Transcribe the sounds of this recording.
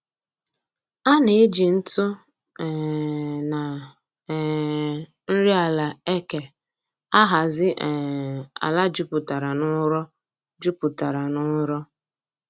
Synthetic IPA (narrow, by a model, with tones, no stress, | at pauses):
a˦ne˨e˦d͡ʒi˨n̩˦tʊ˦˨ | na˨ | n̩˦ɾi˦a˨la˨e˦ke˨ | a˦ɦa˨zɪ˦ʔa̰˨la˦d͡ʒu˦pʊ˨ta˨ɾa˨nʊ˦ɾɔ˦ | d͡ʒu˦pʊ˨ta˨ɾa˨nʊ˦ɾɔ˦